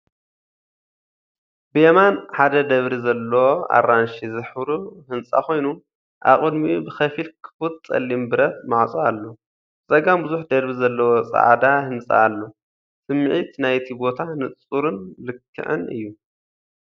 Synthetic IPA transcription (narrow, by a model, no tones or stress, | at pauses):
bɨjɐmanħad̪ɐd̪ɐβɾizɐlːɐwoa̰ranʃizɨħbɾuhɨnt͡sʼa̰ko̞jnu | ʔa̰βχʼɨd̪mibɨxɐfilkʰɨ̥fut̪̚sʼɐ̰lːimbɨɾɐt̪̚maʕt͡sʼaalːo | t͡sʼɐɡambɨzuħd̪ɐɾbizɐlːɐwot͡sʼa̰ʕd̪ahɨnt͡sʼa̰ːlːo | sɨmːɨʕit̪najt̪ʰibo̞t̪ʰanɨt͡st͡sʼuɾɨnlɨkʰːɨ̰ʕɨ̰nɨ̰jːu